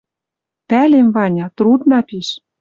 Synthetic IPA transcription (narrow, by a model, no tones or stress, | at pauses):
pælemvɑnʲɑt̪ɾud̪nɑpiʃ